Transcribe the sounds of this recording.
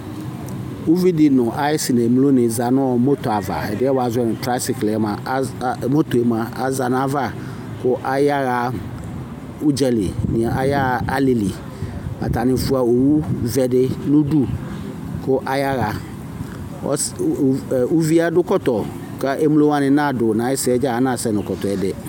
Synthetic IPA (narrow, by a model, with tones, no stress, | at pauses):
u˦vi˦di˨nʊ̃˨ʔa˨˦ɪ˦sɪ˨nã˨mu˦lo˦nɪ̃˨za˨nʊ̃˦ɔ˨mo˦tɔ˨a˨va̰˨ɛ˨dɪ˦ɛ˦wa˨zɛ˦nɪ̃˨tɾa˦sɪ˨klɪ˨ɛ˦mã˨˦˨mo˦to˨e˨mã˨a˨za˨n˦a˦va˦˨ | kʊ˦ʔa˨ja˦ɣa˨˦ | u˦d͡ʒɛ˨lḭ˨nɪ̃˨a˨ʔa˦ja˦˨a˦li˨li˨ | mã̰˨ta˨nɪ̃˨fu˦a˨o˨wu˦vɛ˨dɪ˦nʊ̃˦du˦ | kʰʊ˦ʔa˨ja˦ɣa˨ | ɔ̰˦s | u˦vi˦a˦dʊ˦kɔ˦tɔ˨ | ka˦ʔe˦mu˦lo˦ã˦nɪ̃˨nã˦˨dʊ˨nã˨˦ɪ˦sɪ˨ɛ˦d͡ʒa˦a˨˦nã˨sɛ˦nʊ̃˨kɔ˨tɔ˨ɛ˨dɪ˦